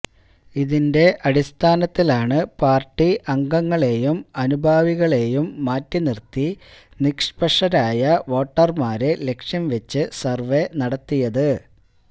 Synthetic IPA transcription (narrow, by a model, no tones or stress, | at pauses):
iðinde̞ʔɐɽist̪ʰaːnɐt̪ːilaːɳɨpaːrʈːiʔɐŋɡɐŋːɐɭe̞ːjumɐnubʱaːʋiɣɐɭe̞ːjumːaːtːinirt̪ːi | nikʂpɐʂɐɾaːjɐʋo̞ːʈːɐrmaːɾele̞kʂjɐmʋet͡ɕːɨsɐrʋe̞nɐɽɐt̪ːijɐðɨ